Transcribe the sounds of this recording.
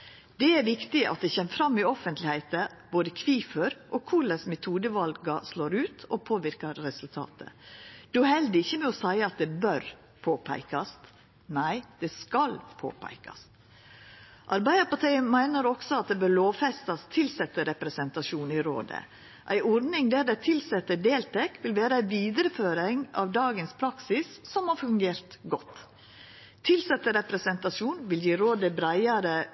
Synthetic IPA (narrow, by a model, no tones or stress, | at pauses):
d̪̥ɛæɾʋɪkt̪ɪʔɑ̰t̪̚d̪ɛçɛmːfɾɑmːɪɔfənt̪lɪhæɪt̪əboːd̪əkʰʋiːfœɾʔokʰʊɭəsmɛt̪ʰuːd̪əʋɑlɡɑsloːɾʉːt̪ɔpʰoːʋɪɾkəɾːɛsʉlt̪ʰɑ̰ːt̪ʰə̰d̪̥ʉhɛld̪ɪɪçːəmɛɔsæɪəɑt̪̚d̪ɛbœɾ | pʰoːpʰæ̰ɪkɑst̪ | næɪd̪̥ɛskɑlpʰo̰ːpʰæ̰ɪkɑ̰st̪ | ʔɑɾbæɪəpɑt̪ʰiɪmæɪnəɾɔksɔɑt̪̚d̪ɛbøːɾɭoːʋfɛst̪ɑst̪ʰɪlsɛt̪ːəɾɛpɾɛsɛnt̪ɑʂuːniɾo̰ːd̪ə̰ | ʔæɪʔɔɾnɪŋd̪æd̪ɛt̪ʰɪlsɛt̪ːəd̪eːlt̪ʰɛkːʋɪlʋeːɾəæɪʋiːd̪əɾəføːɾɪŋɑ̰ʋd̪ɑːɡənspʰɾɑksɪssɔmhɑɾfʉŋɡeːɾt̪ɡɔt̪ː | ɪlsɛt̪ːəɾɛpɾɛsɛnt̪ɑʂuːnʋɪljiːɾoːd̪əbɾæɪɑɾə